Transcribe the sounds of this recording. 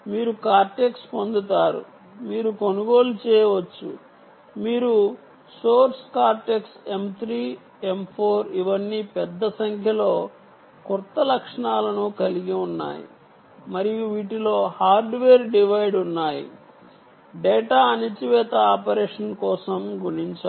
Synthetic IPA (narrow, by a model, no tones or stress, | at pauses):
miːɾukaːɾʈeːkspond̪ut̪aːɾṵ | miːɾuko̞nuɡo̞ːlut͡ʃɛːjɐʋɐt͡ʃːṵ | miːɾu | soːɾskaːɾʈeːkse̞mt̪ʰɾiː | e̞mpʰoːɾiʋɐnːipɛd̪ːɐsɐŋkʰjɐlo̞ː | kuɾt̪ːɐlɐkʂɐɳaːlɐnukɐliɡiunːa̰ːjḭ | mɐɾijuʋiːʈilo̞ːhaːɾɖʋeːɾɖiʋɐjɖunːaːjḭ | ɖeːʈaːɐnit͡ʃiʋɛːt̪ɐaːpɐɾeːʂɐnkɔːsɐmɡuɽiɲt͡ʃaː